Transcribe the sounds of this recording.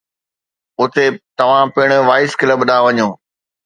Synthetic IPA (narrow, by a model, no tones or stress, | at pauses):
ʊt̪et̪ɐʋ̤ãpɪɽ̃oʋaːɪskɪləbɗaːʋɐɲõː